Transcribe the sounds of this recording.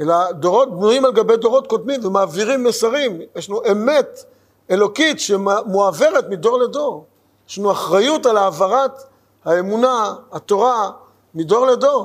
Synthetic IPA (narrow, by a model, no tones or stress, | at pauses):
e̞lad̪o̞ʁo̞t̪̚bnuimalɡabejd̪o̞ʁo̞t̪̚kodmimvemaːviʁimːesaʁimjeʃlanuʔeme̞t̪ | elo̞kitʃemoave̞ʁet̪mido̞ʁledo̞ʁ | jeʃlanuaχʁajutalaːvaʁat̪ | hae̞munaat̪o̞ʁa | mido̞ʁledo̞ʁ